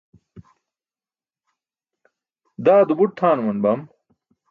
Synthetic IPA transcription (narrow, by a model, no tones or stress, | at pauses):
d̪aːd̪ubuʈ̚t̪ʰaːnumɐnbɐm